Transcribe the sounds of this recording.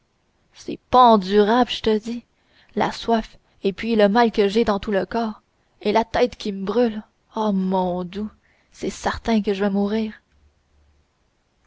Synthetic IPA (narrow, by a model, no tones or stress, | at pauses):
sɛ̰pɑ̃d̪yʁablʒət̪əd̪i | la̰swaf | epɥiləmalkəʒed̪ɑ̃t̪uləkɑːʁ | elat̪ɛːt̪kʲiməbʁyl | ɔmɔ̃d̪u | sɛsɛʁt̪ɛ̃kəʒəvɛmuːʁiːʁ